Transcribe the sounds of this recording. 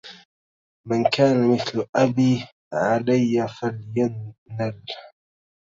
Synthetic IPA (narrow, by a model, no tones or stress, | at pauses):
mankaːnamɪθlʔabiː | ʕalajːafaljanːal